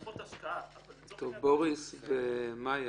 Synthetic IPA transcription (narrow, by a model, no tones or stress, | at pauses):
t̪oboʁisvemaja